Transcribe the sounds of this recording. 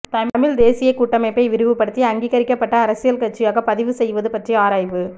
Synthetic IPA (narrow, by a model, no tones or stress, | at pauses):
t̪ɐmmɪɭd̪eːsɪjɐɪkːuːʈːɐmɐɪpːɐɪʋɪɾɯʋɯpːɐɽɯt̪ːiɐŋɡiːɣɐɾɪkːɐpːɐʈːɐːɾɐsɪjɐlkɐʈ̚t͡ʃːɪjaːɣɐpɐðɪʋɯsɛjʋɐðɯpɐʈriaːɾaːjʋɯ